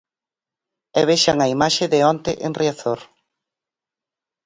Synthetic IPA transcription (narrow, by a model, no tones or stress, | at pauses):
ɛβeʃaŋɐimaʃɪðɪɔnt̪eʔenriaθoɾ